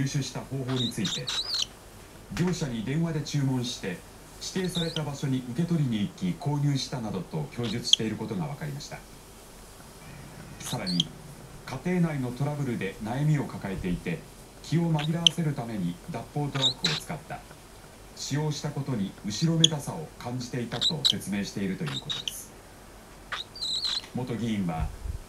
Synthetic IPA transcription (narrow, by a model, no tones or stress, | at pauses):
jɨːɕɨɕi̥t̪aho̞ːɦo̞ːɲ̟it͡sɨit̪e̞ | ɡʲo̞ːɕaɲ̟id̪ẽ̞ɰ̃βad̪e̞t͡ɕɨːmõ̞ɰ̃ɕi̥t̪e̞ | ɕi̥t̪e̞ːsaɾe̞t̪abaɕo̞ɲ̟iʔɯ̟ke̞t̪o̞ɾʲiɲ̟iːkʲːikʰo̞ːɲ̟ɨːɕi̥t̪anad̪o̞t̪o̞kʲo̞ːʑɨt͡sɨ̥ɕi̥t̪e̞iɾɯ̟ko̞t̪o̞ɡaβ̞akaɾʲimaɕi̥t̪a̰ | saɾaɲ̟i | kat̪e̞ːnaino̞t̪o̞ɾabɯ̟ɾɯ̟d̪e̞najamʲio̞kakae̞t̪e̞it̪e̞ | kʲʰio̞maɡʲiɾaase̞ɾɯ̟t̪ame̞ɲ̟id̪apːo̞ːt̪oɾokɯ̟o̞t͡sɨ̥kat̪ːa̰ | ɕijo̞ːɕi̥t̪ako̞t̪o̞ɲ̟iɯ̟ɕiɾo̞me̞d̪asao̞kãɲ̟d͡ʑi̥t̪e̞it̪at̪o̞se̞t͡sɨme̞ːɕi̥t̪e̞iɾɯ̟t̪o̞jɯ̟̰ːko̞t̪o̞d̪̥e̞sɨ̥ | mo̞t̪o̞ɡʲiĩɰ̃βa